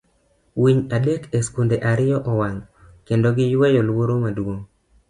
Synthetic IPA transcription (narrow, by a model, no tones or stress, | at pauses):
wiɲadekeskundeʔaɾɪjɔʔɔwaŋkendoɡɪjwɛjɔlwoɾomadwo